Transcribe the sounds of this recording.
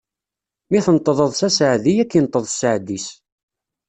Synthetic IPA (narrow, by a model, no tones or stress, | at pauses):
miθənt̪ˤːəðˤəðˤsæsəʕðijækːint̪ˤːəðˤsəʕd̪ːis